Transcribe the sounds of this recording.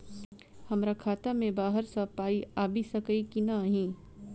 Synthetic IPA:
hɐmɾakʰaːt̪amẽbaːɦəɾsɐpaːiaːbʱisɐkəikinaɦĩː

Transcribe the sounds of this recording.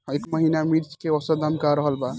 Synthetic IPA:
ekməɦinamiɾt͡ʃkeɔsəd̪amkaɾəɦəlba

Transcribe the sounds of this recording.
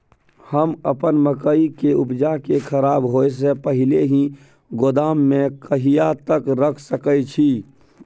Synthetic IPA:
həməpənməkəikeʊpd͡ʒakekʰəɾaːbɦoes̬epəɦɪleɦĩ | ɡod̪aːmːẽkəɦijat̪əkɾəkʰsəkət͡ʃʰiː

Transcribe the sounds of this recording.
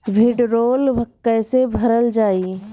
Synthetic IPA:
ʋɪɖɾoːlʋkɛːsebʱɐɾəld͡ʒaːi

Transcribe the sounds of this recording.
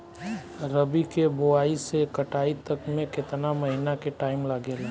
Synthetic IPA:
ɾəbikeboaːisekəʈaːit̪əkmẽkɪt̪naməɦinakeʈaːɪmlaɡeːla

